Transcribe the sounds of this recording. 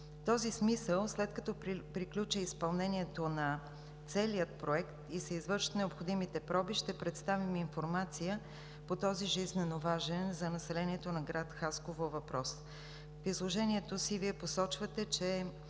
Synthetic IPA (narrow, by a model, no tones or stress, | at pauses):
t̪ɔzismisəlˠslɛt̪kɐt̪ɔppɾiklʲut͡ʃəispɐlˠnɛniɛt̪onɐ | t̪sɛliət̪̚pɾoɛkt̪isɛizvɤɾʃnɛopxod̪imit̪ɛpɾɔbiʃt̪ɛpɾɛt̪st̪aviminfoɾmat̪sijə | pot̪ɔziʒiznɛnovaʒɛnzɐnɐsɛlɛniɛt̪onɐɡɾat̪xaskovovɐpɾɔs | fizlˠoʒɛniɛt̪osiviɛposɔt͡ʃvət̪ɛt͡ʃɛ